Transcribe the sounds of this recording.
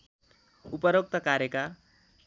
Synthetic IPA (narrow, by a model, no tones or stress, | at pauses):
upʌɾok̚t̪ʌkaɾeka